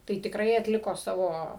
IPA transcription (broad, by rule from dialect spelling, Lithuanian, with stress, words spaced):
tɐɪ tʲɪkˈrɐɪ ɐtʲˈlʲɪkoː ˈsɑːʋoː